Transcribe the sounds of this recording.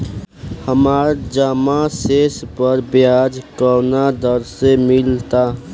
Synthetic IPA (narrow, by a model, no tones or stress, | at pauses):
həmaːɾd͡ʒaːmaseːspəɾbjaːd͡ʒkəɾnad̪əɾsemɪlt̪aː